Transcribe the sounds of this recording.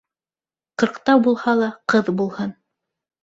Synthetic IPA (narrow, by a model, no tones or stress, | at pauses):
qɤ̆ɾqt̪ɑwbulˠhɑlˠɑqɤðbulˠhɤn